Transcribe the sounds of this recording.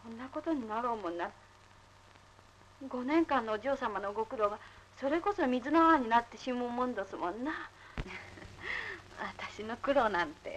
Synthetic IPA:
kõ̞nːako̞t̪o̞ɲ̟inaɾoːmõ̞nːa | ɡo̞nẽ̞ŋkãnːoʑoːsamanoɡo̞kɯ̟ɾo̞ɡaso̞ɾe̞ko̞so̞mʲizɨnaβaɲ̟inat̪ːe̞ɕimoːmõnd̪osɨmõnːa | βat̪aɕino̞kɯ̟ɾo̞nãnt̪e̞̰

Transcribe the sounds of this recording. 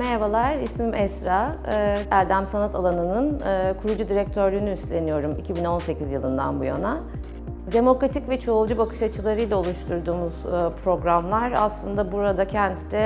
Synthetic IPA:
mɛɾvalˠaɾismimʔɛsɾa | æɾd̪æmsanat̪ʰalˠanɯnɯnɯːkʰuɾud͡ʒud̪iɾɛc̚t̪ʰøɾlʲyːnyːslʲe̞nijo̞ɾumicʰibino̞nse̞cʰizjɯlˠɯnd̪a̰nbuja̰na | d̪e̞mo̞kɾat̪ʰicvɛt͡ʃʰo̞ːlˠd͡ʒubakʰɯ̥ʃat͡ʃʰɯlˠaɾɯjlʲao̞lˠuʃt̪ʰuɾd̪uːmuz̥pʰɾo̞ɡɾamlˠaɾa̰slˠɯnd̪abuɾad̪acʰɛnt̪lɛ

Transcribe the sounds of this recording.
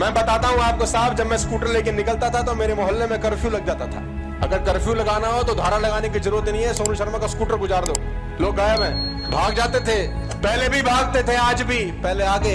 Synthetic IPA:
mɛ̃ːbɐt̪aːt̪aɦũaːp̚kosaːbd͡ʒɐbmɛ̃skuːʈəɾleːkenɪkəlt̪at̪ʰat̪omeːɾemʊɦəlːẽmẽkɐɾfʰjulɐɡ̚d͡ʒaːt̪at̪ʰa̰ː | ɐ̰ɡəɾkɐɾfjulɐɡaːnaɦot̪od̪ʱaːɾalɐɡaːnekizɐɾuːɾət̪nəɦĩɦɛsoːnuʃɐɾmãkaskuːʈəɾɡʊzaːɾd̪oː | loːɡːaːjəbɦɛ̃ː | bʱaːɡd͡ʒaːt̪et̪ʰe | pɛɦlebʱibʱaːɡ̚t̪et̪ʰeaːd͡ʒbʱipɛɦleaːɡe

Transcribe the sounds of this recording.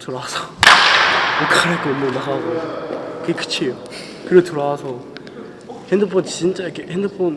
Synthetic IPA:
tɯɾasʰʌ̥ | okʰaɾak͈oonːɯnaɡaɡokɯɡekɯ̥t͡ɕʰio | kɯɾetɯɾasʰʌ | hend̪ɯpʰont͡ɕint͡ɕ͈ajikʰehend̪ɯpʰon

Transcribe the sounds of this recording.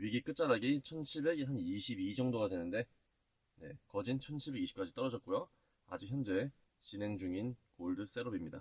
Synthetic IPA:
ɥiɡik͈ɯt̚t͡ɕ͈aɾaɡit͡ɕʰʌnt͡ɕʰiɭbe̞ɡiɦaniɕʰibid͡ʑʌŋdoɡadwe̞nɯnde̞ | ne̞̰kʌd͡ʑint͡ɕʰʌnt͡ɕʰiɭbe̞ɡiɕi̥p̚k͈ad͡ʑit͈ʌɾʌd͡ʑʌt̚k͈ujo | a̰d͡ʑik̚çjʌnd͡ʑe̞ | t͡ɕine̞ŋd͡ʑuŋinkoɭdɯs͈e̞ɾʌbimɲida̰

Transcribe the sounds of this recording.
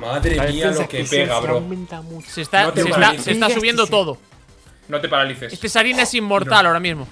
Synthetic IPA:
maðɾeialokepeɣaβɾoment̪amusest̪asesaisesst̪asuβje̞nd̪ot̪o̞ð̞o | not̪epaɾaliθesest̪esaɾinaesimːo̞ɾt̪alaoɾamizmo

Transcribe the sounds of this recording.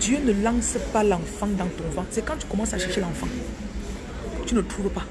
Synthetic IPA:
d̪jønəlãsəpalãfãd̪ãt̪ɔ̃vãsɛkãt̪y̥kɔmãsaʃɛʁʃelãfã | t̪ynət̪ʰuɾəpa

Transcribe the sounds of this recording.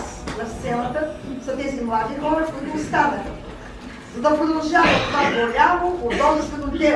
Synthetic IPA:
snɐfst̪sɛnət̪əsɐt̪ɛzimlˠad̪ixɔɾɛfkuit̪oːst̪anəlʲ | zɐd̪ɐpɾod̪ɐlˠʒavɐt̪ovapɾolʲalˠood̪ɔzst̪od̪oblʲɛ

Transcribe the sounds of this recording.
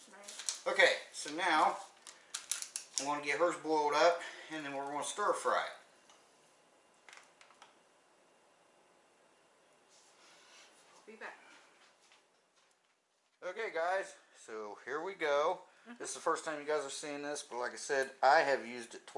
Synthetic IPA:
oʊkeɪsoʊnaʊ | iwɑ̃nəɡɛt̚ɦɜ˞zbɔɪlˠɾʌp̚ɨ̃nðɨ̃nwɪɹɡõnəstɔɹfɹa̰ɪd̚ | oʊkeɪɡaɪz̥soʊhiɹwiɡoʊ | ðɪszðəfɜ˞stʰãɪ̃mjɨɡaɪzəv̥siɪ̃ŋðɪsb̥ʌt̚laɪkaɪsɛɾaɪɨvjʉzdtʰ

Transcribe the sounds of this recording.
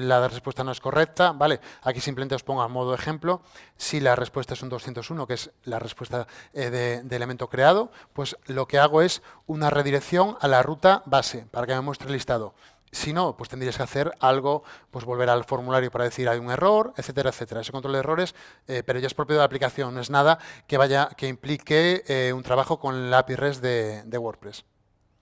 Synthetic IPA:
laðrespwest̪anoe̞skorek̚t̪abaleakisimpleenospo̞ŋɡamoð̞oexẽmplosilare̞spwest̪aesund̪o̞sθent̪osunokeeslarespwe̞st̪aðed̪elemẽnt̪o̞kɾeað̞opwe̞slokeaɣ̞oe̞sunare̞ðiɾekθjo̞ŋalarut̪abasepaɾakemẽmwest̪ɾelist̪aðo | sinopwet̪end̪ɾieskeaθeɾalɣopwe̞zβo̞lβe̞ɾalfo̞ɾmulaɾjopaɾað̞e̞θiiɾajuŋe̞roɾeθet̪̬eɾaeθet̪eɾaesekont̪ɾolðe̞ro̞ɾe̞s | epeɾoʝaespɾo̞p̬joðeaplikaθjo̞ŋnoe̞znað̞akeβaʝakeimplikeeunt̪ɾaβaχoko̞ŋlapiresðed̪eɣwo̞ɾpɾes

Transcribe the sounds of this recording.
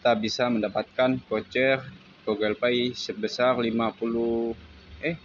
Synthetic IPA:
kit̪abisaməndapat̪̚kankot͡ʃɛr | ɡoɡɛlpaisəbəsarlimapulu | ɛh

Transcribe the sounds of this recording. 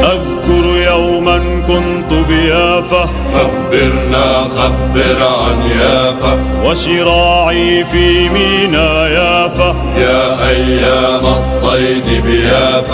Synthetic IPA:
ʔað | kʊɾjawman | kʊnt̪ʊbɪjaːfa | xabːɪɾnaːxabːɪɾʕanjaːfa | waʃɪɾaːʕiːfiːmiːnaːjaːfa | jaːʔajːaːmasˤːɑjd̪ɪbɪjaːf

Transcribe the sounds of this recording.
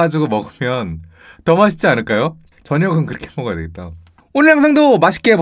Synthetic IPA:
ad͡ʑiɡomʌɡɯmjʌn | tʌmaɕʰi̥d͡ʑianɯɭk͈ajo | t͡ɕʌɲjʌɡɯnkɯɾʌkʰemʌɡadeɡet̚t͈a | onɯɭɦaŋsʰaŋdomaɕʰi̥k͈eb

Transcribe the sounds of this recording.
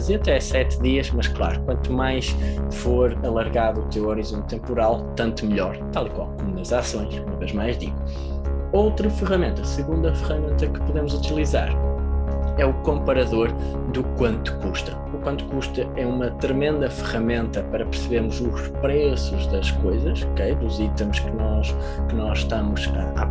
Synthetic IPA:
ziɐt̪ɛsɛt̪ðiɐʃmɐʃklˠa̰ɾukwɐ̃nt̪umajʃfoɾɐlˠɐɾɣaðut̪ewɔɾizõnt̪ːẽmpuɾalˠt̪ɐ̃nt̪umɨʎɔɾt̪alˠikwa̰lˠkomunɐzasõj̃ʃumɐveʒmajʒðḭɣu | owt̪ɾɐfɨʁɐmẽnt̪ɐsɨɣũnd̪ɐfɨʁɐmẽnt̪ɐkɨ̥puðemuzut̪ilˠiza̰ɾ | ɛukõmpɐɾɐðoɾ | d̪ukwɐ̃nt̪u̥kuʃt̪ɐ̥ | ukwɐ̃nt̪u̥kuʃt̪ɐɛumɐt̪ɾɨmẽnd̪ɐfɨʁɐmẽnt̪ɐpɐɾɐpɨɾsɨβeɾmuʒuʃpɾɛsuʒðɐʃkojzɐʃɔkejd̪uzit̪ɐmuʃkɨnɔʃ | kɨnɔzʃt̪amuʃɐ̰a̰

